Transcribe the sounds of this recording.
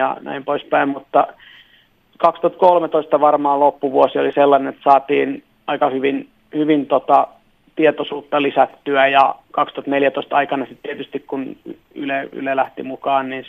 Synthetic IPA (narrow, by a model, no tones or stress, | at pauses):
ɑ̰næ̰impoispæimmut̪ːɑ | kɑkst̪ŭhɑt̪̚kolmet̪oist̪ɑʋɑrmɑːlopːuʋuosioliselːɑnenet̪sɑːt̪iːn | ɑikɑhyʋin | hyʋint̪ot̪ɑ | t̪iet̪osuːt̪ːɑlisæt̪ːyæjɑkɑkst̪uhɑt̪neljæt̪oist̪ɑikɑnɑsit̪t̪iet̪yst̪ikkun | y̰ley̰lelæht̪ḭmukɑːnniːn